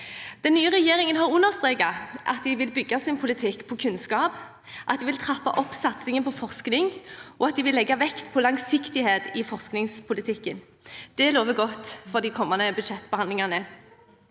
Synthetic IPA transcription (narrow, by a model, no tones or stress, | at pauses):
d̪̥ɛnːyːəʁɛjeːɾɪŋənɦɑʁʉnːəʁst̪ʁeːkɑʔɑ̰t̪̚d̪ɪʋɪlbʏɡɑsɪnpʰʊlɪt̪ʰɪkːpʰɔkʰʉnskɑːp | ʔɑt̪̚d̪ɪʋɪlt̪ʰʁɑpːɑ̰ʔɔpːsɑt̪sɪŋənpʰɔfɔʁsknɪŋʔɔɑt̪̚d̪ɪʋɪlːɛɡːɑʋɛkt̪pʰɔlɑŋsɪkt̪ɪheːt̪ɪfɔʁsknɪŋspʰʊlɪt̪ʰɪkːən | d̪̥ɛloːʋəɡɔt̪ːfɔʁd̪ɪkʰɔmːɑnəbʉd̪ʃɛt̪ːb̥əhɑnd̪lɪŋɑnə